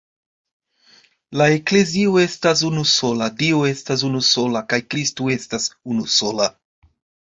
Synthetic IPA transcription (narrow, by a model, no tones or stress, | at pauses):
lae̞kle̞zioe̞stas̬unuso̞ladioe̞stas̬unuso̞lakajkɾistue̞stasunuso̞la